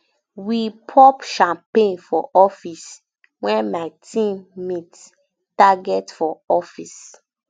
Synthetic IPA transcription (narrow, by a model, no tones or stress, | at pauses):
wipʰɔpʃãmpẽnfɔʔɔfis | wɛ̃nmaɪtʰĩmːit | taɡɛtfɔɔfis